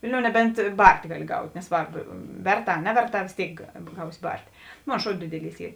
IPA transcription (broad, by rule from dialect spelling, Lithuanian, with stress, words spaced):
ˈʋʲɪlʲˌnʲoːʊ nʲɛˈbʲɛnt ˈbɐrʲtʲ ˈɡɑːˌlʲɪ ˈɡɐʊtʲ nʲɛˈsʋɐrp ˈʋʲɛrˌtɑː ɐ ˈnʲæːʋʲɛrˌtɑː ʋʲeːs ˈtʲeːɪk ˈɡɐʊsʲɪ ˈbɐrʲtʲeː ˈmoːn ˈʃoːʊ ˈdʲɪdʲɪˌlʲiːs ˈiː